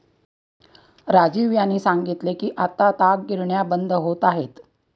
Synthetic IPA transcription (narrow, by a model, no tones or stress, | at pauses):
ɾad͡ʑiʋjanːiːsaŋɡit̪lekiːʔat̪at̪aɡɡiɾɳjabənd̪ʱəɦot̪aɦet̪